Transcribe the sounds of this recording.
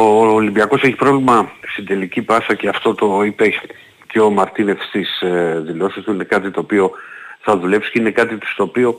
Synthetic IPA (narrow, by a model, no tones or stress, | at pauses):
oːlimbiɐko̞se̞çi̥pɾo̞vlimɐst̪id̪e̞licipɐsɐceɐft̪o̞t̪o̞ipe̞ | ceo̞mɐɾt̪ine̞fst̪isðilo̞sist̪uine̞kɐt̪it̪o̞ːpio̞θɐðule̞psi̥ceine̞kɐt̪it̪u̥st̪oːpio̞